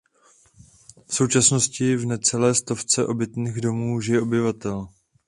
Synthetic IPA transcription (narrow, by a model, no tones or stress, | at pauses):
fso̞wt͡ʃasno̞scɪvnɛt͡sɛlɛːst̪o̞ft͡sɛʔo̞bɪt̪niːɣdo̞muːʒɪjɛʔo̞bɪvat̪ɛl